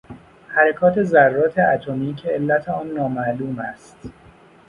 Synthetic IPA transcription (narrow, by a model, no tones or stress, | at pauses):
hæɾekʰɒːt̪ʰe̞zærːɒːt̪ʰeʔæt̪ʰomiːcʰe̞elːæt̪ʰeɒːnːɒːmæʔluːmæst̪